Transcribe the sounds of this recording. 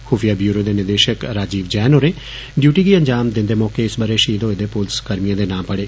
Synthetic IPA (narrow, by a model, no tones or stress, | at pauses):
xuːfʰijaːbjuːɾoːd̪eːnɪd̪eːʃəkɾaːd͡ʒiːʋd͡ʒɛːnoːɾeː | ɖjuːʈiːɡiːə̃ɲd͡ʒaːmd̪ɪ̃nd̪eːmɔːkeɪsbəɾeːʃiːd̪õːɪd̪eːpʊlskəɾmijãːd̪eːnãːpəɽeː